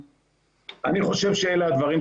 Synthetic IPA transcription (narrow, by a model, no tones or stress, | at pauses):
aniχo̞ʃe̞vʃeelead̪vaʁim